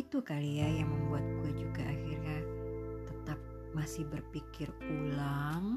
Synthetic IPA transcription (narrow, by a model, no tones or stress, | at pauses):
it̪ukaliajaŋməmbuat̪̚ɡuɛd͡ʒuɡaʔaxɪrɲat̪ət̪ap̚ | masɪhbərpikɪrulaŋ